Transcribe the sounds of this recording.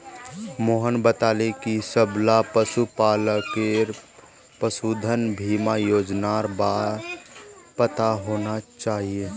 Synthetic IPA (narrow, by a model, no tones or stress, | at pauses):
moːɦənbət̪aːlekisəblapəsupaːləkeɾ | pəsuːd̪ʱənbʱiːmajoːd͡ʒnaɾbaː | pət̪aɦoːnat͡ʃaːɦieː